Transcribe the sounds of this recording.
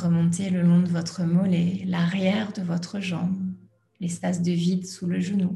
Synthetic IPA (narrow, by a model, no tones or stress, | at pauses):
ʁəmɔ̃t̪eləlɔ̃d̪əvɔt̪χəmɔlɛlaʁjɛʁd̪əvɔt̪χəʒɑ̃b | lɛspas̬d̪əvid̪suləʒənu